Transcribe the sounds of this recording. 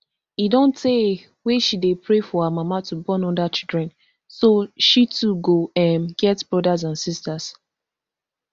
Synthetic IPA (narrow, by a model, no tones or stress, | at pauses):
idõnte | weʃidepɹefɔhamamatubɔ̃nɔ̃ndat͡ʃildɹɛ̃n | soʃituɡoɛ̃nɡɛtb̥ɹɔdazãnsistas